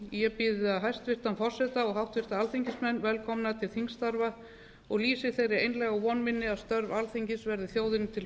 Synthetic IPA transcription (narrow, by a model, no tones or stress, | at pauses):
jɛpɪðɪaɦajst̪vɪr̥t̪anfɔr̥sɛt̪aɔɣɦawht̪vɪr̥t̪aalθiɲcɪsmɛnːvɛlkʰɔmnat̪ʰɪlθiŋst̪aɾva | ɔɣliːsɪθejɾɪejnlɛɣavɔnmɪnːɪaðst̪œɾvalθiɲcɪsvɛɾðɪθjoːwðɪnt̪ʰɪl